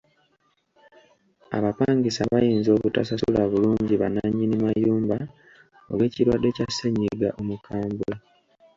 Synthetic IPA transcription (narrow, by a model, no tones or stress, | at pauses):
a̰βapaːɲɡisaβajiːnzo̞βutasasṵlaβuluːɲɟiβa̰naɲːinimajuːmba | o̰βwe̞ːciɾwadːe̞caseɲːiɡaʔo̞mukʰaːmbua